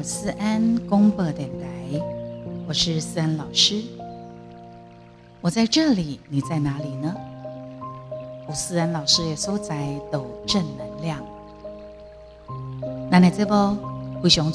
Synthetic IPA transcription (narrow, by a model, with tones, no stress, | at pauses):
sɹ̩˥ʔa˥nkʊ˥ŋpɤ˧t̪jɛ˨˩nt̪ʰa˨˦ɪwɔ˨˩ʂɻ̩˥˧sɹ̩˥a˥nlɑ˨˩ʊʂɻ̩˥ | wɔ˨˩t͡sa˥˧ɪʈ͡ʂɤ˥˩li˨˩ni˨˩t͡sa˥˩ɪna˧˥li˨˩nə˦ | wɔ˨˩sɹ̩˥a˥nlɑ˨˩ʊʂɻ̩˥jɛ˨˩so˥ʊt͡sa˧˥ɪt̪o˨˩ʊʈ͡ʂə˥˩nnə˧˥nljɑ˥˩ŋ | na˧˥na˨˩t͡sə˥˩bə˧xu˧˩ɕʊ˧˥ŋ